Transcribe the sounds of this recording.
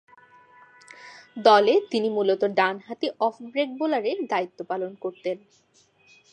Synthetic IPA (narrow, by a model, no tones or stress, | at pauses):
d̪ɔlet̪inimulot̪oɖanɦat̪iʔɔfʰbɾek̚bolaɾeɾd̪ait̪ːopalonkoɾt̪en